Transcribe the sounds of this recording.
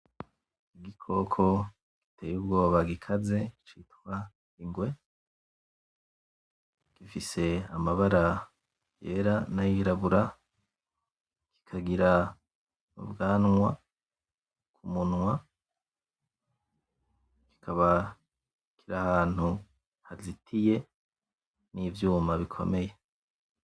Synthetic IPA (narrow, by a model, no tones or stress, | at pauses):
iɡikʰo̞kʰo̞ | ɡ̥itʰe̞ːjuːbɡo̞ːβaɡikʰaze̞it͡ʃitwa | iŋɡwe̞ | ɡ̥ifise̞amaβaɾa | je̞̰ːɾanajiɾaβuɾa | kʰi̥kʰaɡiɾa | nṵbɡaːnŋwa | kʰumunwa | ki̥kʰaβa | kʰiɾahaːn̥hu | hazitʰije̞ | nivjuːmaβikʰo̞̰me̞je̞